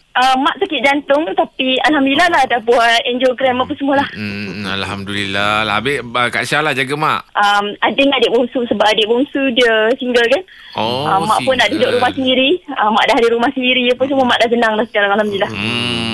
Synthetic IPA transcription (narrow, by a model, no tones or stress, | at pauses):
ʔəmːaʔsakɪt̪̚d͡ʒant̪ʊŋt̪apialɦamd̪ulilahlahdahbuaɛnd͡ʒokɾɛmːapəsəmuəlah̩a̰lhamdulilalaabɪəka̰ʔsalad͡ʒaɡama̰ʔʔəmadeŋadɪʔbɔŋsusəbaʔadeʔboŋsudiəsiŋɡəlkan | əmmːa̰ʔpʊnːaʔdudʊʔɾumahsəndiɾiəmːaʔdaɦadiɾumahsəndiɾijəpəns̬əmuəmaʔdaʔsənaŋlahsə̥kaɾaŋalhamdilah